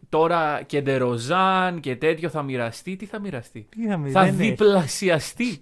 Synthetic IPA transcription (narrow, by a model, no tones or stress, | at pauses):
t̪o̞ɾɐce̞nd̪e̞ɾo̞zɐnce̞t̪e̞t̪ço̞θɐmiɾɐst̪it̪iθɐmiɾɐst̪iiθɐmiθɐðiplɐsiɐst̪i